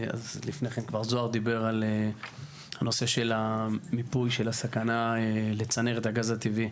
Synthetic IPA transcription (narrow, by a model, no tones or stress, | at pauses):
a̰zlifneχenkvaʁzo̞aʁd̪ibe̞ʁale | hano̞se̞ʃe̞lamipujʃelasakanaele̞t͡sane̞ʁet̪haɡazat̪ivi